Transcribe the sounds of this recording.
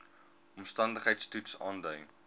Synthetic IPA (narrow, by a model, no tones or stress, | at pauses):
ɔmstɐndəχɦəjtstutsɑːndœɥ